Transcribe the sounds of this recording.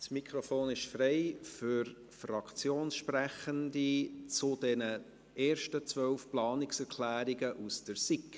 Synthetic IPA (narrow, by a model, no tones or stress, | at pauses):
smikʰɾofoːnɪʃfreɪfyɾ | frɑkt͡sjoːnsʃprɛχəndit͡sʊdɛnə | eːɾʃtət͡sʋœwfplɑːnɪksɛɾkʰlæːɾiɡəʔusd̥əɾsik